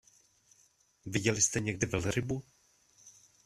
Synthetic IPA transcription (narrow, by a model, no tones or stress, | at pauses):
vɪɟɛlɪst̪ɛɲɛɡ̚dɪvɛlɾɪbu